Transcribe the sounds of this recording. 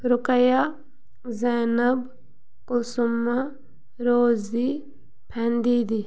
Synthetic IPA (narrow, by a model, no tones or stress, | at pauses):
ɾʊkəja | zɛːnɐb | kusumːa | ɾoːzi | pʰɛnd̪iːd̪i